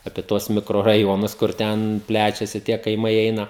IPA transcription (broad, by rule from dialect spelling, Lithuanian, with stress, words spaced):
ɐpʲiɛ ˈtuɔs mʲɪkroːrɐˈjoːnʊs kʊr ˈtʲɛn ˈpʲlʲæːt͡ʃʲɛsʲɪ tʲiɛ kɐɪˈmɐɪ ˈɛɪnɐ